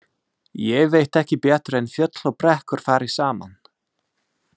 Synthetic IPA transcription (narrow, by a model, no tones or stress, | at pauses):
jɛɣvejht̪ɛhcɪpɛːt̪ɾɛnfjœt̪lɔwpɾɛhkʏɾ̥faːɾɪ̥saːma̰n